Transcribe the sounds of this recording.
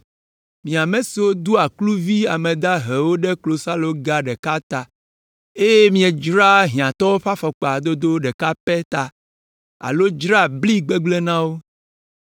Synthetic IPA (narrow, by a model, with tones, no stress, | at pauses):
mĩ˨a˨me˨si˨wo˦d̪u˦a˨klu˦vi˦a˨mɛ̃˨d̪a˦ɦɛ˨wo˦ɖɛ˦klo˨sa˦lo˦ɡa˦ɖɛ˨ka˦t̪a˨ | e˦je˦mĩ˦e˨d͡ʒɾa˦ɦĩ˨ã˨t̪ɔ˦o˦ɸa˦fɔ˨k͡pa˨d̪o˦d̪o˦ɖɛ˨ka˦pɛ˦t̪a˨ | a̰˨lo˦d͡ʒɾa˦bli˦ɡ͡be˦ɡ͡ble˦nã˦wo˦